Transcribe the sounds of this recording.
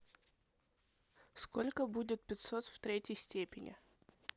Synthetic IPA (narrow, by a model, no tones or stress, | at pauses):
skolʲkəbudʲɪt̪̚pʲɪt̪sot̪ft̪ɾʲetʲjəjsʲtʲepʲɪnʲɪ̰